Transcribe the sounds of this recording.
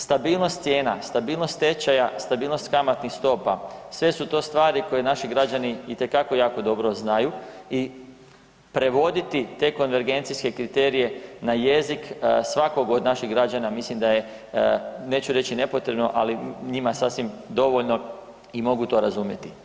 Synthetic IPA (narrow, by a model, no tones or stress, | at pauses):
st̪abiːlˠno̞st̪sjeːnast̪abiːlˠnost̪t̪e̞t͡ʃajast̪abiːlno̞st̪kamat̪nixst̪o̞pasʋe̞sut̪o̞ːst̪ʋaːɾiko̞je̞naʃiɡɾad͡ʑaniit̪e̞kako̞jaːko̞d̪o̞bɾo̞znajui | pɾe̞ʋo̞d̪it̪it̪e̞ko̞nʋe̞ɾɡe̞nt̪siske̞kɾit̪e̞ːɾije̞naje̞ziksʋako̞ɡod̪naʃiɦɡɾad͡ʑanamislimd̪aje̞ | ne̞ːt͡ɕuɾe̞t͡ɕine̞po̞t̪ɾe̞bno̞ʔaliɲimasasʋimd̪o̞ʋo̞ʎno̞ | imo̞ɡut̪o̞ɾazumje̞t̪i